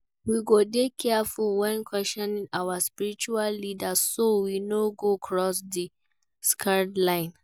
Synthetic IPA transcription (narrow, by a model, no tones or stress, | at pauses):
wiɡodekʰːɛafulwɛ̃nkʰwɛstɔ̃nĩnawaspiɹit͡ʃuallidassowinoɡokʰɹɔsdi | skʰadlãɪ̃n